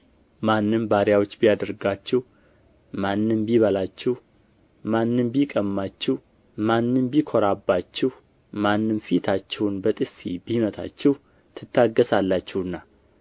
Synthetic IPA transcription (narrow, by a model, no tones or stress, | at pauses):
manːɨmbaɾjawot͡ʃːbijad̪əɾɡat͡ʃːɛh | manːɨmbiβəlat͡ʃːɛh | manːɨmbikʼəmːat͡ʃːɛh | manːɨmbikʰoɾabːat͡ʃːɛh | manːɨmfit̪ʰat͡ʃːɛwunbət̪ʼɨfibimət̪ʰa̰t͡ʃːɛh | t̪ʰɨt̪ːaɡːəsalːat͡ʃːɛhɨnːa